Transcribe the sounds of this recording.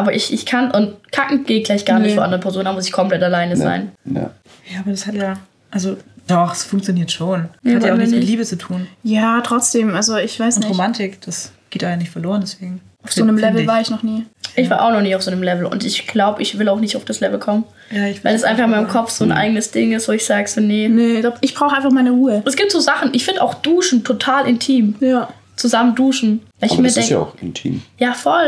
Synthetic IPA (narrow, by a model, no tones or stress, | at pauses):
ʔaːbɐʔɪçʔɪçkʰanʔʊnt̚kʰakŋ̩ɡ̥eːɡ̥laɪçtɡ̥aːɐnɪçtffoːʔandəʁəpʰɛɐzoːnaɐmʊsɪçkʰɔmplɛtalaɪnəza̰ɪn̰ | jaːaːbɐdashatjaː | ʔalzod̥ɔχɛsfʊŋkt͡sjoniːɐtʃoːnhatjaʊxnɪt͡sɪtliːbət͡sutʰuːnjaːtʁ̥ɔt͡sd̥eːmʔalzoɪçv̥aɪsnɪʁomantɪkd̥asɡ̥eːtaanɪçtfɛɐloːʁəndɛsv̥eːɡŋ̩ʔaʊfz̥oːnəmlɛvl̩vaːɐɪçnɔχniːʔɪçv̥aːɐʔa̰ʊxnɔχniːaʊfz̥oːnəmlɛvl̩ʊ̰ntɪçɡ̥laʊbəʔɪçv̥ɪlaʊxnɪçtaʊfd̥aslɛvl̩kʰɔmən | jaːɪçvaɪlɛsʔa̰ɪnfaχɪnmaɪnmmkʰɔfz̥oːnʔa̰ɪɡənəsd̥ɪŋɪstv̥oːɪçz̥aːɡəsonənəabɪçb̥ʁaʊxəaɪnfaχmaɪnəʁuːəʔɛsɡ̥iːp̚tz̥oːzaχn̩ʔɪçfɪndəaʊxd̥uːʃn̩tʰotʰaːlɪntʰiːmja | t͡suzamənduːʃn̩v̥aɪɪçmiɐdɛŋ̰ʊxɪ̰ntʰḭːmjaːfɔl